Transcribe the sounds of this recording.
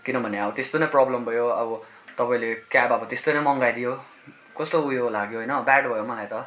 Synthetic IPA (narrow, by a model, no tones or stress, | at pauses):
kinʌbʱʌneʌbʌt̪est̪onʌjprɔblʌmbʱʌjoʌbʌ | t̪ʌpaĩlekabʌbʌt̪est̪onʌjmʌŋɡajd̪ijo | kʌst̪oujolaɡjoɦʌjnʌbaɖbʱʌjomʌlajt̪ʌ